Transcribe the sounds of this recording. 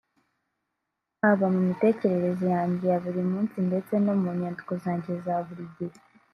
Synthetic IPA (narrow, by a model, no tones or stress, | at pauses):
aβamumite̞ːce̞ɾe̞ɾe̞zijaːɲɟejaβuɾimuːnsinde̞t͡se̞no̞muːɲaːndu̥kozaːɲɟezaβuɾiɟe